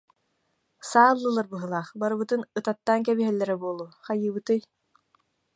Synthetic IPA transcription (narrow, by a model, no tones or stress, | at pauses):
saːlˠːɯlˠaɾbɯɦɯlˠaːχbaɾɯbɯt̪ɯnɯt̪at̪ːaːŋkɛbiɦɛlːɛɾɛbuɔlˠuːχajɯːbɯt̪ɯj